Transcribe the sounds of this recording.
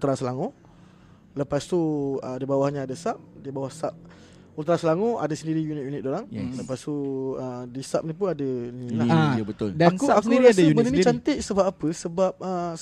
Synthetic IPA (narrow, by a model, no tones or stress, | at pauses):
t̪ɾasəlaŋo | ləpast̪uədibawahɲaːdəsap̚dibawahsap̚ | ut̪ɾasəlaŋõa̰dəsəndiɾijunɪt̪̚junɪt̪̚doɾaŋləpast̪uədisap̚nip̬unadənĩlaabət̪ʊldaankuaakskuɾiadməninit͡ʃant̪eʔsəbapapəsəbap̚ə